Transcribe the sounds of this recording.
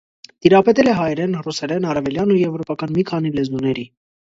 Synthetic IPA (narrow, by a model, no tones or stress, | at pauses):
t̪iɾɑpɛt̪ɛlɛɦɑjɛɾɛnrusɛɾɛnɑɾɛvɛljɑnːujɛvɾɔpɑkɑnmikʰɑn̪ilɛzunɛɾi